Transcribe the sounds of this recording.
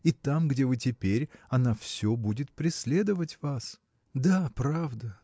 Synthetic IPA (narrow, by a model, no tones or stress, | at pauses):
it̪amɡdʲe̞vɨtʲɪpʲeɾʲɐnafsʲobudʲɪt̪̚pɾʲɪsʲlʲe̞d̪əvətʲvas | d̪apɾavd̪ə